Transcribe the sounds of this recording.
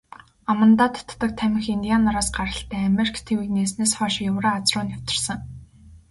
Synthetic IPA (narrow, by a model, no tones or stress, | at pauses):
amə̆nt̪aːt̪ʰt̪ːə̆k̚t̪ʰæmʲɪ̆ŋxint̪ijanaɾaːsɢaɾə̆ɬt̪ʰæːameɾikʰt̪ʰewiːkneːsneːsχɔːʃjʊwɾaːat͡srʊːnaw̥t̪ɪ̆rsə̆ŋ